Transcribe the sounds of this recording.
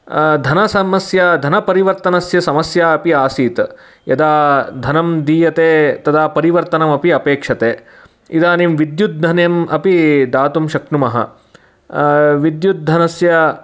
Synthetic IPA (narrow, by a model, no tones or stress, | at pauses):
d̪ʱɐnɐsɐmɐsjad̪ʱɐnɐpɐɾiʋɐɾt̪ɐnɐsjɐsɐmɐsjaːɐpiaːsiːt̪ | jɐd̪aːd̪ʱɐnɐmd̪iːjɐt̪eːt̪ɐd̪aːpɐɾiʋɐɾt̪ɐnɐmɐpiɐpeːkʂɐt̪eː | id̪aːnimʋid̪jut̪̚d̪ʱɐnjɐmɐpid̪aːt̪umʃɐkɳumɐɦɐ̰ | ʋid̪jut̪̚d̪ʱɐnɐsjɐ